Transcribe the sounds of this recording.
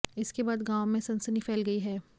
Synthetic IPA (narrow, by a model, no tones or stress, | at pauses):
ɪskebaːd̪ɡaːwmẽsɐ̃nsənifɛːlɡɐiɦɛː